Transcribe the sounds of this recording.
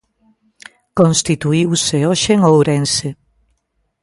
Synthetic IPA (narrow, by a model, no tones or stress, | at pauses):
kõnst̪it̪uiwseoʃeŋowɾense